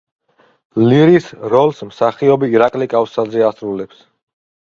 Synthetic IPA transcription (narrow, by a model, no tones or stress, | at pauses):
liɾisɾɔlsmsaχiɔbiːɾakʼlikʼafsazɛasɾulɛps